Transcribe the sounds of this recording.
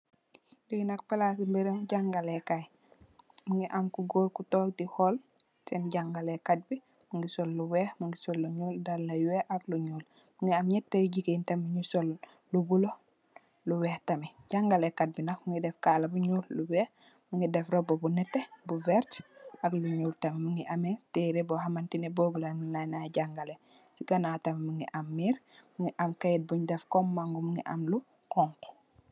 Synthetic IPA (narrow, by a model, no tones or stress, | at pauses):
jujnak̚palasimbeɾeŋɟaŋɡalekaj | muŋiʔamkuɡoːlkutoːk̚dihol | senɟaŋɡalekat̚bi | muŋɡisolːuwehmuŋɡisolːuɲuldallajweʔakluɲuːl | muŋɡiamɲɛtːejɟikintemiɲusol | lubulo | luwehtamiɟaŋɡalekat̚binakmuŋɡidɛfkalabuɲulluwɛ | muŋɡidɛfɾobobunɛtːebuvɛɾtakluɲuːltamimuŋɡiʔameteɾebɔɦamantineboːbulamulajnaɟaŋɡalesiɡanatamimuŋɡiʔamːiːɾmuŋɡiʔamkajit̚buɲdɛfkɔmːaŋɡumuŋḭʔamlu | kɔŋk